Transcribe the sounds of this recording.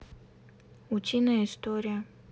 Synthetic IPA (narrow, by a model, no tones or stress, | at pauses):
ʊt͡ɕʲinəjəɪst̪oɾʲɪjə